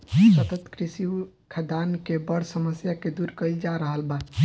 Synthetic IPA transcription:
sət̪ət̪kɾisi | kʰad̪ankebəɾsəməsjaked̪uɾkəld͡ʒaɾəɦəlba

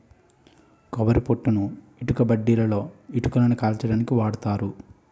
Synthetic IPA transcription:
kɔʋɐɾipoʈːunu | iʈukɐbɐɖːiːlɐlo̞ːiʈukɐlɐnɐkaːlt͡ʃɐɽaːnikiʋaːɽut̪aːɾu

